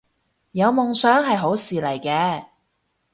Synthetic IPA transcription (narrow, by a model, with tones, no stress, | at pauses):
jɐ˨˧wmʊ˨˧ŋsœː˨˥ŋɦɐ˨jɦo˨˥wsiː˨lɐ˨˩jkɛː˧